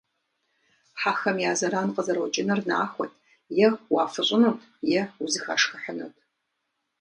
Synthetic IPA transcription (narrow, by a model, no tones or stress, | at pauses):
ħaxɐmjaːzɐɾaːnqəzɐɾwɔt͡ʃʼɪnɐrna̰ːxʷɔtʰ | jɛwaːfɨɕʼɪnutʰjɛuzɨxa̰ʂxɨħənɐ̰tʰ